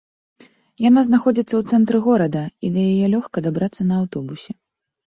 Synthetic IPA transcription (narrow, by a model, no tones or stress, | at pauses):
janaznaxɔd͡zʲit̪sːɐwt̪sɛnt̪ɾɨɣɔɾɐd̪ɐid̪ɐjajɛlʲɔxkɐd̪abɾat̪sːɐnɐːwt̪ɔbusʲɛ